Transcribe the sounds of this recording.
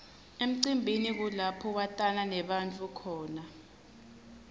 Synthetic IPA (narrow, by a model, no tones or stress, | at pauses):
em̩ǀimbʱinik̬ulapʰɔwatʼananɛɓant͡fʼukʰɔːna